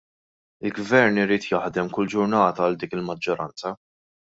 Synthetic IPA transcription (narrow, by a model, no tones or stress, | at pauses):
ɪlɡvɛɾnɪɾiːt̪jɐħd̪ɛmkʊld͡ʒʊɾnɐːt̪ɐːld̪iːkɪlmɐd͡ʒːɔɾʔɐ̰nt͡sɐ